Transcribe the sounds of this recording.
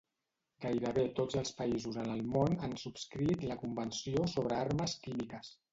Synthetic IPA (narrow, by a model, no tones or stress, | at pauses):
ɡajɾəβet̪od͡zəlˠspəizuzənəlˠmonansupskɾit̪ləkumbənsiosoβ̞ɾəarməskimikəs